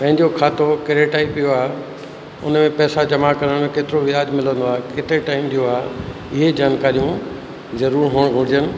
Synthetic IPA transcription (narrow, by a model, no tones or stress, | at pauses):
pɐ̃ɦɪ̃ɲd͡ʑokʰaːt̪okɐɾeʈaːɪpijoaːɦe | ʊ̰nmẽpɛːsad͡ʑɐmakɐɾəɽ̃keːt̪ɪɾoʋɪaːd͡ʑmɪlə̃nd̪oaːɦekɪt̪ɾeʈaːɪmd̪ijoaːɦ | ɪɦed͡ʑaːnkaːɾijũ | zɐɾuːɾɦuːɽ̃ɡʱʊɽɪd͡ʑənɪ̆